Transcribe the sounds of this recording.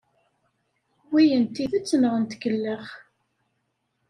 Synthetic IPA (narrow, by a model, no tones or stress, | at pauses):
wijənt̪iðæt͡sːnəʁənt̪ɡəlːəχ